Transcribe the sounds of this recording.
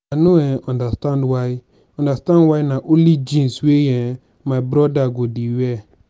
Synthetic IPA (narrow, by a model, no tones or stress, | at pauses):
anuɛɔ̃ndastandwaj | ɔ̃ndastãnwajnaʔolid͡ʒĩnsweje | mabɾɔdaɡodiwe